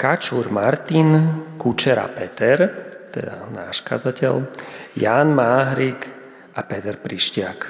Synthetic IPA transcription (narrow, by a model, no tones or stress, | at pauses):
kat͡ʃuɾmaɾt̪inkut͡ʃɛɾa̰pɛt̪ɛɾt̪ɛ̰d̪a̰na̰ːʃka̰d͡zacɛʎjaːnmaːɦɾik | ʔapɛt̪ɛɾpɾiʃcɪak